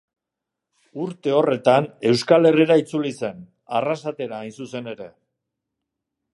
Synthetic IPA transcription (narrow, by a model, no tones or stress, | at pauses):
uɾt̪e̞o̞re̞t̪ane̞wskale̞riɾait͡sulise̞n | arasat̪e̞ɾaːjnsuse̞ne̞ɾe̞